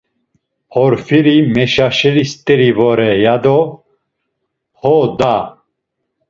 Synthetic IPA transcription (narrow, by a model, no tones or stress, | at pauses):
hɔɾfiɾimɛʃaʃɛlist̪ʼɛɾivɔɾɛjad̪ɔ | hɔd̪a